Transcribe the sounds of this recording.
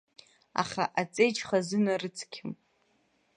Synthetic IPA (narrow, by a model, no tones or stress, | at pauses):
a̰χa̰ʔat͡sʼejt͡ʃχazɨnarɨt͡sʰkʲʰɪm